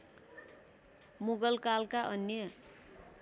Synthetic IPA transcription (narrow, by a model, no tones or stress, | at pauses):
muɡʌlkalkaʔʌnjʌ